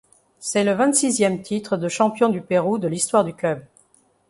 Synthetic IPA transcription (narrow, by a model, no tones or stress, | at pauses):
sɛləvɛ̃t̪sizjɛmt̪ʰit̪χəd̪əʃɑ̃pjɔ̃d̪ypeʁud̪əlist̪waʁd̪yklœb